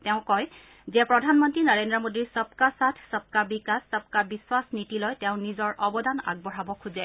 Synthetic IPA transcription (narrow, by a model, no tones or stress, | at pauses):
tɛʊ̃kɔj | zɛpɹɔdʱanmɔntɹinɔɹendɹɔmodiɹsɔp̚kasatʰsɔp̚kabikasːɔp̚kabiswasnitilojtɛʊ̃nizɔɹʔɔbɔdana̰ɡ̚bɔɹabɔkʰuzɛ